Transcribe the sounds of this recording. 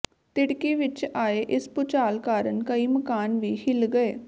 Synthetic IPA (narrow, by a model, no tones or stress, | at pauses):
t̪ɪɽkiːʋɪt͡ʃaːeːʔɪspʊt͡ʃaːlkaːɾənkəiːməkaːnʋiːhɪlɡəeː